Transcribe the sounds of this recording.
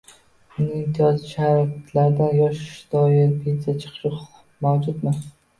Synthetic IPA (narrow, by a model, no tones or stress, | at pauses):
ʊnɪɪmt̪ʰijɒzɪʃaɾakʰat̪ʰlaɾd̪anjɒʃɪ̥ʃd̪ɒjɪɾpʰeat͡ʃʰɨ̥qʃɪq | mawd͡ʒʊd̪mɪ